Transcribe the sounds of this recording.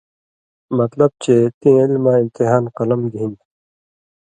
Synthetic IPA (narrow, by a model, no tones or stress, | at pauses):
mɐt̪lɐb̚t͡ɕet̪ĩːilmãːĩmt̪iɦaːnqɐlɐmɡ̪ĩnd̪